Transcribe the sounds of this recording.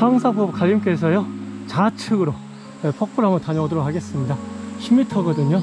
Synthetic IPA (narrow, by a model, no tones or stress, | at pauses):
haŋsʰabop̚kaʎːimk͈e̞s̬ʰʌjot͡ɕat͡ɕʰɯɡɯɾo | epʌk̚p͈uɾɦamɯɭtaɲʌdoɾok̚ʰhʰaɡe̞s͈ɯmɲidaɕʰimitʰʌɡʌdɯɲo